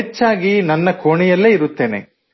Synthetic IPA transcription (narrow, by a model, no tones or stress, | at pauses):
et͡ʃːaːɡinɐnːɐkʰoːɳijɐlːeːiɾut̪ːe̞ːnḛ